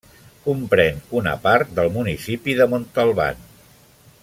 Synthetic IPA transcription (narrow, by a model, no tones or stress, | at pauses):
kumpɾɛnunə̰paɾt̪̚d̪əlˠmunisipiðəmont̪əlˠβa̰n